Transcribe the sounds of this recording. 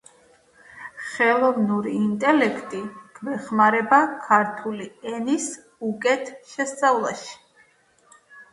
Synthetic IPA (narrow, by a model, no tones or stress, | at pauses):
χɛlˠɔvnuɾiːnt̪ʼɛlɛkʰt̪ʼiɡ̥vɛχmaɾɛbakʰaɾt̪ʰuliɛnis | ukʼɛt̪ʰʃɛst̪sʼavlˠaʃi̥